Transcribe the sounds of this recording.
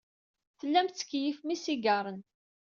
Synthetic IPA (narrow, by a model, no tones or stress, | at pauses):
θəlːæmt̪t͡sːə̥kːjifmisiɡɑɾˤən